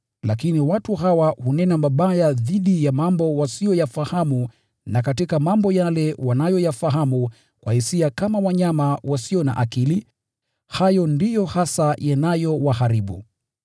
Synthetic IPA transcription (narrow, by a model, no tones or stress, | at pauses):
lakiniwatuɦawahunɛnamaɓajaðiɗijamambɔwasijɔjafahamu | nakatikamambɔjalɛwanajɔjafaɦamu | kwahisiakamawaɲamawasiɔna̰ʔakili | hajɔndijɔhasajanajɔwahaɾiɓṵ